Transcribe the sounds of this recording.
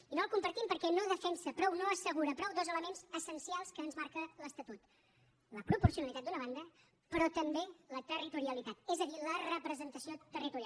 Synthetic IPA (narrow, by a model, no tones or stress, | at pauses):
inolˠkumpəɾt̪impəɾkɛnoðəfɛnsəpɾɔwnoəsəɣuɾəpɾɔwd̪ozələmenzəsənsialˠskəːnzmaɾkələst̪ət̪ut̪ | ləpɾupuɾsiunəlit̪at̪d̪unəβ̞and̪ə | pəɾɔt̪əmbelət̪ərit̪uɾiəlit̪at̪ɛzəðilərəpɾəzənt̪əsiot̪ərit̪uɾia